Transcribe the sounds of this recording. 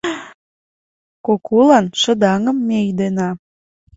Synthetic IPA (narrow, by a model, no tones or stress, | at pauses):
kokʰolɑnʃə̆d̪ɑŋəmːejd̪enɑ